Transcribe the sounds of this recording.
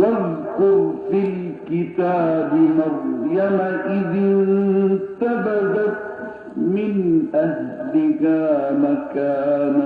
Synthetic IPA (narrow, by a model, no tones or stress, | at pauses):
waðkʊɾfilkɪt̪aːbɪmaɾjamaʔɪðɪnt̪abadat̪̚ | mɪnʔahlɪkaːmakaːna